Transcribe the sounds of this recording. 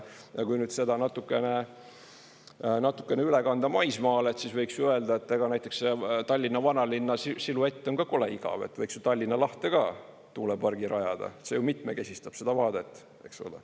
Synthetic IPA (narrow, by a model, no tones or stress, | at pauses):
jɑkujnyd̪se̞d̪ɑnɑt̪ːˑukːˑe̞ne | nɑt̪ːu̥kːˑe̞neylekɑnd̪ɑmɑjsmɑːle̞t̪sisvɤjksjuøeld̪ɑet̪ːˑeɡ̥ɑnæjt̪ːˑe̞ksset̪ɑlʲːinːɑvɑnɑlinːɑsisilue̞t̪ːeo̞nkɑko̞leiɡ̥ɑ̰vḛt̪vɤjksjut̪ɑlʲːinːɑlɑht̪e̞ɡ̥ɑ | t̪uːlepɑrɡ̥iɾɑjɑd̪̥ɑ̰et̪se̞jumit̪meke̞sʲist̪ɑb̥se̞d̪̥ɑvɑːd̪e̞t̪ːˑ | e̞kso̰lḛ